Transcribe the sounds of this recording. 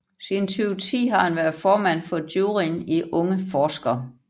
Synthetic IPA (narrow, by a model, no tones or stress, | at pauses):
sint͡sʰyːʊt͡sʰḭːɦɑ̈hænʋæɐðˠfɒːmæn̰fɒ̽d̥juːʁiniʔɔ̽ŋəfɒːsɡ̥ɐ